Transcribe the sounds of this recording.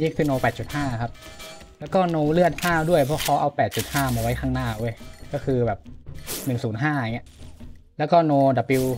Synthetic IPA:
ji˥˩kʰɯː˧noː˧pɛː˨˩t̪̚t͡ɕu˨˩t̪̚haː˥˩kʰa˦˥p̚ | lɛː˦˥wkɔː˥˩noː˧lɯ˥˩ət̪̚pʰaː˥˩wdu˥˩əjpʰɔ˦˥pʰɔː˦˥ʔa˧wpɛː˨˩t̪̚t͡ɕu˨˩t̪̚haː˥˩maː˧˩wa˦˥jkʰaː˥˩ŋnaː˥˩ʔu˥˩əjkɔː˥˩kʰɯː˧bɛː˨˩p̚nɯ˨˩ŋsuː˩˦nɦaː˥˩a˨˩ŋi˦˥ʔlɛː˦˥wkɔː˥˩noː˧da˨˩pi˧w

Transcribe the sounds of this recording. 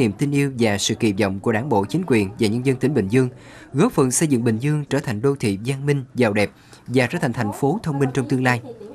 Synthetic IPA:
ḭ˧˨əmt̪i˧nʔi˧əwvaː˨˩sɨ̰˧˨kḭ˧˨˩p̚zɔ̰˧˨wŋ͡mku˧˩əɗaː˧˩nɓo̰˧˨t͡ɕï˨˦ŋ̟kwi˨˩ənvaː˨˩ɲə˧nzə˧nt̪ï˧˩˦ŋ̟ɓï˧˩ŋ̟zɨ˧əŋ | ɣɔ˨˦˥fə˨˩nsə˧jzɨ̰˧˨ŋɓï˧˨˩ŋ̟zɨ˧əŋt͡ɕəː˧˩t̪ʰa˨˩jŋ̟ɗo˧t̪ʰḭ˧˨zaː˧nmï˧ŋ̟zaː˨˩wɗɛ˨˩p̚ | vaː˨˩t͡ɕəː˧˥˩t̪ʰa˨˩ŋt̪ʰŋ̟fo˨˦t̪ʰə˧wŋ͡mmï˧ŋ̟t͡ɕɔ˧ŋ͡mt̪ɨ˧əŋlaː˧j

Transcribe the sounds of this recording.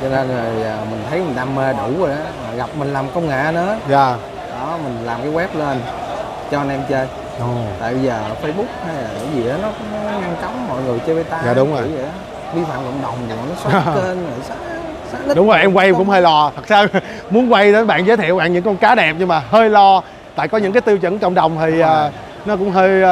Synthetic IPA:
t͡ɕɔ˧nə˧nzə˨˩jəː˨˩mï˨˩ŋ̟t̪ʰə˨˦jmi˨˩ŋ̟ɗaː˧me˧ɗu˧˩˦zo˨˩ʔaː˨˦maː˨˩ɣa˨˩p̚mï˨˩ŋ̟laː˨˩mkə˧wŋ͡mŋa̰ː˧˨nɨ̰˧˥˦zaː˨˩ | ɗɔ˨˦mï˨˩ŋ̟laː˨˩mkaː˨˦ɣwɛ˦˥p̚le˧n | t͡ɕɔ˧ʔə˧nʔɛ˧mt͡ɕəː˧j | ʔɔ˨˩a̰ː˧˨jɓə˧zəː˨˩fə˧jɓʊ˦˥k̚ha˧jlaː˨˩ŋə˨˦zi˨˩ʔə˨˦nɔ˨˦kʊ̰˧˥ŋ͡mn˦ŋa˧ŋt͡ɕa˨˦wŋ͡mmɔ̰˧˨jŋɨ˨˩əjt͡ɕəː˧jvə˨˦jt̪aː˧jaː˨˩ɗʊ˨˦ŋ͡mzo˨˩˨zə˨ʔ | ɓi˧fa̰ː˧˨mkə̰˧˨wŋ͡mɗə˨˩wŋ͡mi˨˩a˨˩nɔ˨˦swa˥e˧nə˧˨˩s̚ | saː˦˥˦ɗʊ˨˦ŋ͡mzo˨˩jʔɛ˧mkwa˧jʔɛ˧mkʊ̰˧˥ŋ͡mhəː˧jlɔ˧t̪ʰə˨˩t̚saː˧ | mu˨˦ənkwa˧jtə˨˦nɓa̰ː˧˨nzəː˨˦t̪ʰḭ˧˨wɓa̰ː˧˨nɲɨ̰˧˥ŋkɔ˧nkaː˨˦ɗɛ˨˩p̚ɲɨ˧maː˨˩ɦəː˧jlɔ˧ | t̪a̰ː˧˨jkɔ˨˦ɲɨ̰˧˥ŋk̬aː˨˦t̪i˧əwt͡ɕə̰˧˥nkə̰˧˨wŋ͡mɗə˨˩wŋ͡mt̪ʰi˨˩ʔəː˨˩ | nɔ˨˦˥kʊ̰˧˥ŋ͡mɦəː˧j

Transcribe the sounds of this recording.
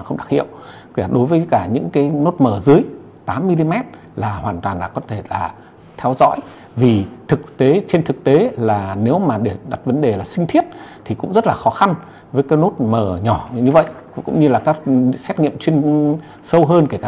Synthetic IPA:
a˨˩xə˧wŋ͡mɗa˧˩k̚hḭ˧˨əw | ka˨˩ɗo˨˦jvəː˨˦jkaː˧˩ɲɨ̰˧˥ŋkaː˨˦jno˦˥t̚məː˧˩zɨ˨˦əj | t̪aː˨˦mːi˧li˧mɛ˦˥t̚ | laː˨˩hwaː˨˩nt̪waː˨˩nlaː˨˩kɔ˨˦t̪ʰe˧˩laː˨˩ | t̪ʰɛ˧wzɔ̰˧˥j | vi˨˩t̪ʰɨ˨˩k̚t̪e˨˦t͡ɕe˧nt̪ʰɨ˨˩k̚t̪e˨˦laː˨˩ne˨˦wmaː˨˩ɗe˧˩ɗa˨˩t̚və˨˦nɗe˨˩laː˨˩sï˧ŋ̟t̪ʰi˦˥ət̚t̪ʰi˨˩kʊ̰˧˥ŋ͡mzə˦˥t̚laː˨˩xɔ˨˦xa˧n | vəː˨˦jkaː˨˦jno˦˥t̚məː˧˩ɲɔ˧˩ɲɨ˧və̰˧˨j | kʊ̰˧˥ŋ͡mɲɨ˧laː˨˩kaː˨˦˥k̚sɛ˦˥t̚ŋḭ˧˨əmt͡ɕwi˧ən | sə˧wɦəː˧nkːkaː˧

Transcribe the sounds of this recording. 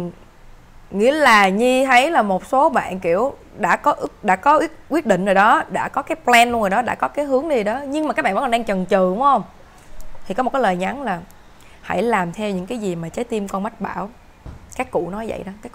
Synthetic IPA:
ŋḭ˧˥əlaː˨˩ɲi˧t̪ʰə˨˦jlaː˨˩mo˨˩t̚so˨˦ɓa̰ː˧˨nkḭ˧˨əw | ɗa̰ː˧˥kɔ˨˦ʔɨ˦˥k̚ɗa̰ː˧˥kɔ˨˦ʔwi˦˥k̚ʔwi˦˥ət̚ɗḭ˧˨ŋ̟zoː˨˩jɗɔ˨˦ɗa̰ː˧˥kɔ˨˦kaː˨˦jplɛ˧nlŋ˨˩jɗɔ˨˦ɗa̰ː˧˥kɔ˨˦kaː˨˦jɦɨ˨˦əŋɗi˧˨˩ɗɔ˨˦ɲɨ˧ŋma˨˩a˨˦˥k̚ɓaː˧˨vkːɔ˨˩˧a˧ŋt͡ɕə˨˩ŋt͡ɕɨ˨˧˨hə˧wŋ͡m | t̪ʰi˨˩kɔ˨˦m̚˨˩kːaː˨˦ləː˨˩jɲa˨˦nlaː˨˩ | ha̰˧˩jlaː˨˩mt̪ʰɛ˧wɲɨ̰˧˥ŋkaː˨˦jzi˨˩maː˨˩t͡ɕəː˨˦jt̪i˧mkɔ˧nma˦˥t̚ɓa̰ː˧˩w | kaː˦˥kːṵ˧˨nɔ˨˦jvə̰˧˨jɗɔ˨˦kaː˨˦jk

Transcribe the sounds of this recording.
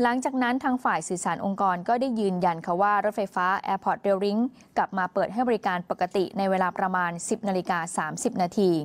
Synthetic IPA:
la˩˦ŋt͡ɕaː˨˩k̚na˦˥nt̪ʰaː˧ŋfaː˨˩jsɯː˨˩saː˩˦nʔo˧ŋkɔː˧nkɔː˥˩daː˥˩jːɯː˧nja˧nkʰa˧˥˩waː˥˩ɾo˦˥t̪̚fa˧jfaː˦˥ʔɛː˧pʰɔː˨˩t̪̚ɾe˧wɾi˦˥ŋ | kla˨˩p̚maː˧pɤː˨˩t̪̚ɦa˥˩jbɔː˧ɾi˦kaː˧npa˨˩kːa˧t̪i˨˩na˧jweː˧laː˧pɾa˧maː˧nsi˨˩p̚naː˧li˧kaː˧saː˩˦msi˨˩p̚naː˧t̪ʰiː˧

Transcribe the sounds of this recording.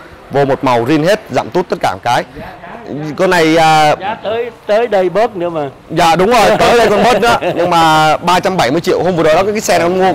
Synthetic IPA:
vo˧mo˨˩t̚ma˨˩wzi˧ənɦe˦˥t̚za̰ː˧˨mt̪u˦˥t̚t̪ə˦˥t̚kaː˧˩˨kaː˨˦j | ko˧na˨˩jʔəː˨˩˨jt̪əː˨˦jɗə˧jɓə˦˥t̚nɨ̰˧˦əmaː˨˩ | za̰ː˧˨ɗʊ˨˦wŋ͡mzo˨˩jt̪əː˨˦jɗə˧jkɔ˧nɓə˦˥t̚nɨ̰ː˧˨˦ɲɨ˧ŋmaː˨˩ɓaː˧t͡ɕa˧mɓa˧˩jmɨ˧ət͡ɕḭ˧˨əwɦo˧mvɨ˨˩əɗə˨˩ɗɔ˨˦kːkːsɛ˧n˨˦mu˧ə

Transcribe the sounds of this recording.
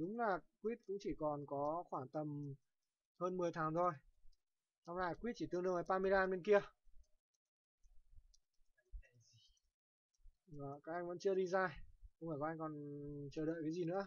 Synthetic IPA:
ɗʊ˨˦ŋ͡mlaː˨˩kwi˦˥t̚kʊ̰˧˥ŋ͡mt͡ɕi˧˩kɔ˨˩nkɔ˨˦xwaː˧˩ŋt̪ə˨˩m | həː˧nmɨ˨˩əjt̪ʰaː˨˦ŋt̪ʰo˧˩j | sa˧wŋ͡mnaː˨˧˩jkwi˦˥t̚t͡ɕi˧˩t̪ɨ˧əŋɗɨ˧əŋʔaː˨˦jɓaː˧mɨ˧jlaː˧nɓe˧nki˧ə | əː˨˩kaː˦˥k̚ʔa˧jŋ̟və̰˧˥nt͡ɕɨ˧əɗi˧zaː˧jxʊ˧ŋ͡maː˧˩kʔa˧ŋkɔ˨˩nt͡ɕəː˨˩ɗə̰ː˧˨kaː˨˦jzi˨˩nɨ̰˧˥

